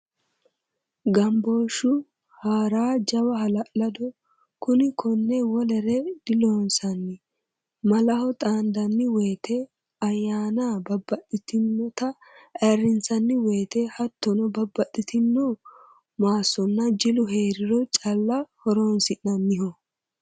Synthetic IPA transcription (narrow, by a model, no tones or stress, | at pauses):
ɡɐmboːʃʊ | haːɾaːd͡ʒɐwɐɦɐlɐʔlɐd̪ɔ | kʊnɪkʰɔnːɛwɔlɛɾɛd̪̥ɪloːnsɐnːɪ | mɐlɐhɔt̪ʼaːnd̪ɐnːɪweːt̪ɛ | ɐjːaːnabɐbːɐɗɪt̪ɪnːɔt̪ɐ | ʔɐrːɪnt͡sɐnːɪweːt̪ɛhɐt̪ːɔnɔbɐbːɐtʼːɪt̪ɪnːɔ | maːsɔnːɐd͡ʒɪlʊɦeːɾɪɾɔt͡ʃʼɐlːɐhɔɾoːnsɪʔnɐnːɪhɔ